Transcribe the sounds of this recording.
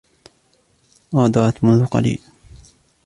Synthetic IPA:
ʔɑːd̪ɑːt̪mʊnðʊqɑ̰lḭːl

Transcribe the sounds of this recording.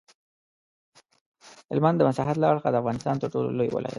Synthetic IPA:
hɪlmand̪əmasɑɦat̪laaɽxad̪əafvɣɑnɪst̪ɑnt̪əɾʈolo̰lojwɪ̰lʔɑ̰ja̰t̪

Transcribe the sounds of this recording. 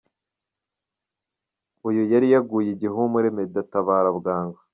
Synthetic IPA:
ujujaɾijaɡujiɟiɦumuɾemedataβaːɾabɡaːŋɡa

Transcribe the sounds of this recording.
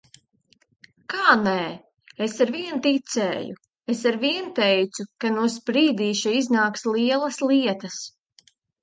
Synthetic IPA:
kaːnɛː | esaɾviɛnt̪it̪sɛ̰ːju | esaɾviɛnt̪ɛjt̪sukanuɔs̬pɾiːd̪iːʃaiznaːkslˠiɛlˠɐslˠiɛt̪ɐs

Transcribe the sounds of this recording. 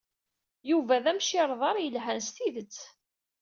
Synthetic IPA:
juvæðæmʃɪɾˤðˤɑɾˤjəlɦænst̪iðət͡sː

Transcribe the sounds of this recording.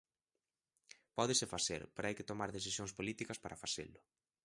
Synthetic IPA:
pɔðɪsɪfaθḛɾpeɾajkɪt̪omaɾðeθisjoŋspolit̪ikɐspaɾʔɐfasḛlʊ

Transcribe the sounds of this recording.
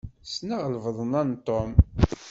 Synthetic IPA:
snaʁlvəðˤənænt̪ˤːom

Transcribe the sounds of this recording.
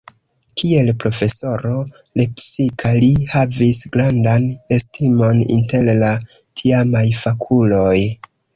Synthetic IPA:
kʰie̞lpɾo̞fe̞so̞ɾo̞ | le̞psikʰalihavisɡɾandane̞stimo̞nḭnte̞llatʰiamajfakʰulo̞j

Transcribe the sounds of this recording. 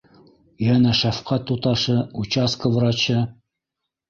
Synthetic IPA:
jænæʃæfqɑt̪ːut̪ɑʃɤut͡ɕɑskəvɾɑt͡ɕɤ

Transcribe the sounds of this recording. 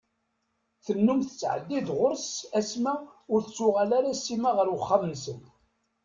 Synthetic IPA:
θənːumθə̥t͡sːʕə̰d̪ːid̪ʁʊɾsæsmæʊɾθət͡sːʊʁalaɾasːimaʁəɾwəχːamənsən

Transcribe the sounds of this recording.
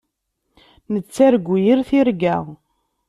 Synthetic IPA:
nət͡sːæɾɡʷːujiɾθiɾɡæʁ

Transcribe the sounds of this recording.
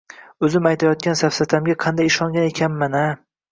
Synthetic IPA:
ɵzɪmajt̪ʰajɒt̪̚kʲansafsat̪ʰamɡʲaqʰɑnd̪ajɪʃɒŋɡʲane̞kʲʰanmana

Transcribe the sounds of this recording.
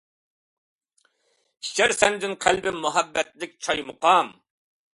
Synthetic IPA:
i̥ʃæɾsɛnd̪ɪnqʰælbɪmʊɦæbːɛt̪lɪk̚ʲt͡ʃʰɑjmʊqɑm

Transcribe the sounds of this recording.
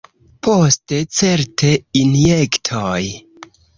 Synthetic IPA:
pʰoste̞t͡se̞ɾteinjektʰoj

